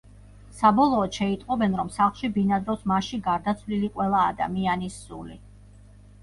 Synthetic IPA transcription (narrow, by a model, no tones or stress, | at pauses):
sabɔlˠɔːd̪ʃɛit̪ʼqʼɔbɛnɾɔmsaχlˠʃibinad̪ɾɔsmaʃiɡaɾd̪at̪sʰvliliqʼwɛlˠaːd̪a̰mianisːṵli